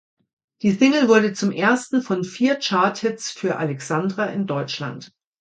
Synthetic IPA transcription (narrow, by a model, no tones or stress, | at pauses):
d̥iːzɪŋl̩vʊɐdət͡sʊmʔeːɐstn̩fɔnfiːɐt͡ʃaɐthɪsfyːɐʔa̰lɛksandʁaʔɪndɔʏt͡ʃla̰nt